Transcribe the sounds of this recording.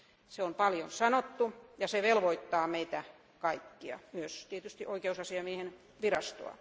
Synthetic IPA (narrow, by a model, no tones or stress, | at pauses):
seompɑljonsɑnot̪ːujɑseʋelʋoit̪ːɑːmeit̪æ | kɑikːiɑ̰myøst̪iet̪yst̪iʔoikeusɑsiɑmiehen | ʋirɑst̪o̰ɑ̰